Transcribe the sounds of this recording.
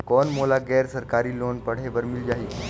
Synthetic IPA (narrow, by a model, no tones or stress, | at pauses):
kɔnmolaɡɛɾsəɾkaɾiːlonpəɽ̤eʋəɾmild͡ʑaɦiː